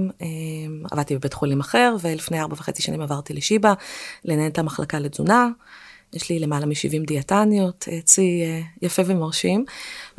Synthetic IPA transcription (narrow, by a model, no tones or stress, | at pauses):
mema̰vad̚t̪ibebetχulimaχe̞ʁvelifnejaʁbaveχet͡siʃanimavaʁt̪ileʃibalenaentamaχlʔa̰kaled͡zunajeʃlilemalamiʃḭvimdiatanjo̞tet͡sijafe̞vemoʁʃim